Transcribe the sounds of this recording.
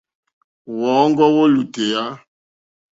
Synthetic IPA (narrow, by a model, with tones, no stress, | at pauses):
wɔː˨˦ŋ˦ɡɔ˦wo˦lu˨te˨ja˦